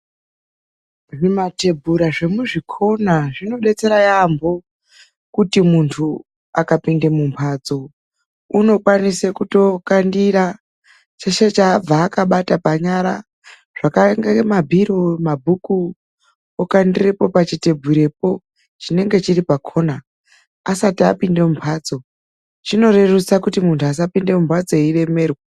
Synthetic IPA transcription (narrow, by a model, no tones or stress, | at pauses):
ʐimate̞bʱuɾaʐe̞muʐikʰo̞naʐino̞ɗe̞t͡se̞ɾajambo̞ | kutimuntʰu | akapindemumpʰad͡zo̞ | uno̞kwanisekuto̞kandiɾa | t͡ʃeʃe̞t͡ʃaːb͡vaːkaɓatapaɲaɾa̰ | ʐ̥akaŋɡemabʱiɾomabʱuku | okandire̞po̞pat͡ʃite̞bʱiɾe̞p̚o̞ | t͡ʃine̞ŋɡe̞t͡ʃiripakʰo̞ːnaː | satiapinde̞mumpʰwaːd͡zo̞ | t͡ʃino̞re̞rusakutimuntʰuas̬apinde̞mumpʰwad͡zo̞ire̞me̞ːrwa